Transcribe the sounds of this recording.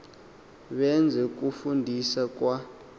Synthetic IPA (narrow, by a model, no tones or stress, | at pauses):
ɓɛnd͡zʱɛk̬ʼufundʱisak̬ʼwa